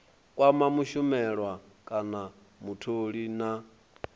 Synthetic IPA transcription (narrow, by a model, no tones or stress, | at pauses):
kʼwamamuʃumɛɺwa | kʼana | mutʰoɺina